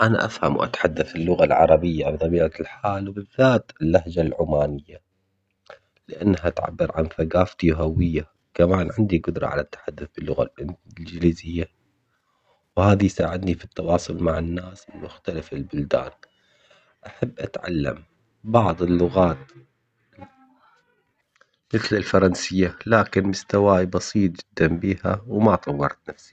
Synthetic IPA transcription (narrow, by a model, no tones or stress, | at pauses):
ʔana̰ʔafhamwʔa̰t̪ħad̪ːaθɪlːʊɣalʕɑ̰ɾˤɑbɪjːabt̪ˤɑbiːʕalħaːlwbɪðːaːt̪ɪlːahd͡ʒalʕʊmaːnɪjːa | lɪʔa̰nːɦaʔt̪ʕa̰bːɪɾʕa̰nθaɡaːft̪iwɦawːɪjːa | kamaːnʕɪnd̪iɡʊd̪ɾˤɑ̰ʕa̰lat̪ːḁħad̪ːʊθbɪlːʊɣa̰ld͡ʒliːzɪjːa | whaːðijsaːʕɪd̪nifit̪ːɑwɑːsˤʊlmaʕɪnːaːsɪlmʊxt̪alafɪlbʊld̪a̰ːn | ʔaħabːʔat̪ʕa̰lːa̰m | bɑʕðˤɪlːʊɣaːt̪ | mɪθlɪlfɑɾˤɑnsɪjːalaːkɪnmʊst̪awaːjbɑsˤiːt̪̚d͡ʒɪd̪ːanbiːha̰wmat̪ˤɑwːɑɾˤt̪nafsi̥